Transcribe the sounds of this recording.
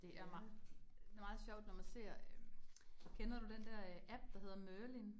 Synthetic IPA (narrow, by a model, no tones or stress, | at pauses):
d̥e̝ʔæɐmɑ̈d̥e̝mɑ̈ːð̩ˠɕɒʊ̰d̥nɒmænse̝ɐ̰ | kʰenɐɾ̥ud̥end̥æɐ̰æb̥̚d̥ɑ̈ɦe̝ð̰ˠɐmøɐlin